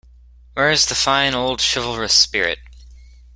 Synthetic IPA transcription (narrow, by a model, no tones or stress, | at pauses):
wə˞ɨzðəfãɪ̃noʊlˠd̥ʃɪvl̩ˠɹɨspɪɹɪ̰t̚